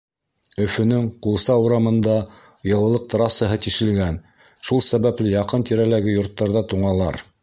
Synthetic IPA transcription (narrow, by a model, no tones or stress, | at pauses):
ɵ̆fɵ̆nɵŋqulˠsɑuɾɑmɤ̆nd̪ɑ | jɤ̆lˠɤ̆lˠɤq̚t̪ɾɑsɤɦɤt̪iʃɘ̆lɡæn | ʃulˠsæβæplɘjɑqɤnt̪iɾælæɡɘjŏɾt̪ːɑɾðɑt̪uɴɑlˠɑɾ